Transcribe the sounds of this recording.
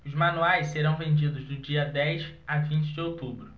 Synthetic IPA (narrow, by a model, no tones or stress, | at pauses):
ʊzmɐ̃nuajsseɾɐ̃w̃vẽnd͡ʒid̪ʊzd̪ʊd͡ʒiɐd̪ɛjʃavĩt͡ʃɪd͡ʒɪowt̪ubɾʊ